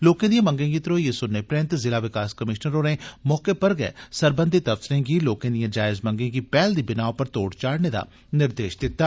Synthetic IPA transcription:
loːkẽd̪ijãmɐ̃ŋɡẽɡit̪ɾojesʊnːepɾẽːnt̪zɪlaʋɪkaːskɐmɪʃnəɾoːɾẽmɔːkepɐɾɡɐḛsɐɾbə̃nd̪ʱit̪ɐfsɪɾẽɡiloːkẽːd̪ijãd͡ʒaːɪzmɐ̃ŋɡẽɡipɛːld̪ibɪnaːopɐɾt̪oːɽt͡ʃaːɽned̪a̰ː | nɪɾd̪eːʃd̪ɪt̪ːaː

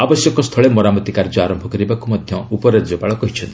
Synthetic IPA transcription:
abɔsjɔkɔst̪ʰɔɭemɔɾamɔt̪ikaɾd͡ʒɔaɾɔmbʱɔkɔɾibakumɔd̪ʱjɔupɔɾaɾd͡ʒɔpaɭɔkɔɦit͡ʃʰɔnt̪i

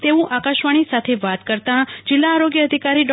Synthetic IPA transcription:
t̪eʋũʔakaʃʋaɽ̃isat̪ʰeʋat̪kəɾt̪ãd͡ʒɪlːaːɾoɡjəːd̪ʱikaɾiɖɔ

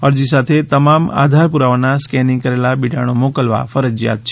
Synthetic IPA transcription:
ɐɾd͡ʑisaːt̪ʰet̪ɐmaːma̰ːd̪ʱaːɾpuɾaːʋənãskɛːnɪ̃ŋkɐɾeːlaɓiɖʱaːɽ̃omoːkəlʋa̰fɐɾəd͡ʑja̰ːt̪̚t͡ʃʰe

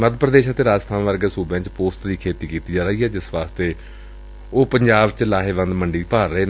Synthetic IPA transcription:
məd̪ʱpɾəd̪eːʃət̪eːɾaːd͡ʒst̪ʰãːnʋəɾɡəsuːbãːt͡ʃpoːsʈ̪d̪iːkʰeːt̪iːkiːt̪iːd͡ʒaːɾaiːɦɛːd͡ʒɪsʋaːst̪eː | oːpəɲd͡ʒaːbt͡ʃlaːɦeːʋə̃nd̪məɳɖiːpaːɾːəeːn

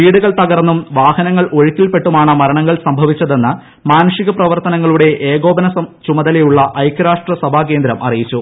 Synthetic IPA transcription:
ʋiːɽuɣɐɭt̪ɐɣɐrnːumʋaːhɐnɐŋːɐɭʔo̞ɻikːilpe̞ʈːumaːɳɨmɐɾɐɳɐŋːɐɭsɐmbʱɐʋit͡ɕːɐðe̞nːɨ | maːnɐʂiɣɐprɐʋɐrt̪ɐnɐŋːɐɭuɽe̞ʔeːɡo̞ːbɐnɐsɐt͡ɕumɐðɐlejuɭːɐʔɐjkːɐɾaːʂʈrɐsɐbʱaːk̬e̞ːnd̪ɾɐmʔɐ̰rijit͡ɕːu

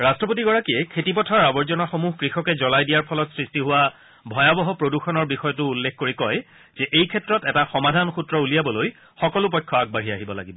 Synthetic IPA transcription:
ɹastɹɔpotiɡɔɹakiɛkʰetipɔtʰaɹabɔɹzɔnaxomuɦkɹixɔkɛzɔlajdijaɹpʰɔlɔtsɹistiɦuwa | bʱɔjabɔɦɔpɹoduxɔnɔɹbixɔjɔtʊːlːekʰkoɹikɔj | z̥ɛʔejkʰɛtɹɔtɛtaxɔmadʱanxutɹɔulijabɔloj | xɔkɔlʊp̬ɔjkʰːɔaɡ̚baɦiaɦibɔla̰ɡibɔ

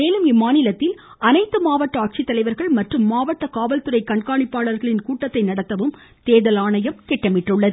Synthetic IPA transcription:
eːlɯmɪmːaːnɪlɐt̪ːɪl | ɐnɐɪt̪ːɯmaːʋɐʈːɐaːʈ̚t͡ʃit̪ːɐlɐɪʋɐɾɣɐɭmɐʈrɯmːaːʋɐʈːɐkaːʋɐlt̪ɯɾɐɪkɐɳkaːɳɪpːaːɭɐɾɣɐɭɪnkuːʈːɐt̪ːɐɪnɐɽɐt̪ːɐʋɯm | t̪eːðɐlaːɳɐjɐmk̪ɛʈːɐmɪʈːrɯɭːɐð

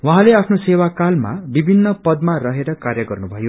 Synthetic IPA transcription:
wʌ̃ɦãleapʰnosewakalma̰bibʱinːʌpʌd̪marʌɦeɾʌkarjʌɡʌrnubʱʌjo

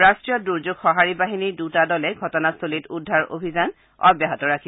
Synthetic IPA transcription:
ɹastɹijɔduɹzuɡxɔɦaɹibaɦinidutadɔlɛɡʱɔtɔnasolitudʱːaɹo̰bʱizan | ɔ̰bjaɦɔtɔɹakʰi

